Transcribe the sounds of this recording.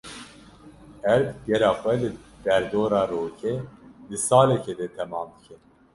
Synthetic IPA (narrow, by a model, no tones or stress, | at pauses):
ɛɾjɛɾɑːxʷɛlɨd̪̥ɛɾd̪oːɾɑːɾoːkʰed̪ɨsɑːlɛkʰɛd̪ɛt̪ʰɛmɑːmd̪ɨkʰɛn